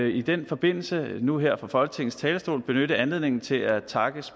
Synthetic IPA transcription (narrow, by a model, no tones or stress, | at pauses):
id̥enfɒ̽b̥e̝n̰l̩sənuɦeɐ̰fʁɑ̈fɒ̽lɡ̥ət͡sʰe̝ɡn̩st͡sʰɛːləsd̥o̝̰ːlb̥e̝nøɾ̥əænle̝ðˠne̝ŋn̩t͡sʰe̝læt͡sʰɑ̈ɡ̥əs